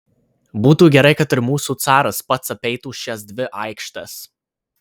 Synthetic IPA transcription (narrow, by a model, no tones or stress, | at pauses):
buːt̪uːɡʲɛɾɐɪkɐt̪ɪɾmuːsuːt̪sɑːɾɐspɐt̪sɐpʲɛɪt̪uːʃʲɛsd̪ʲʋʲɪʔɐɪkʃt̪ɐs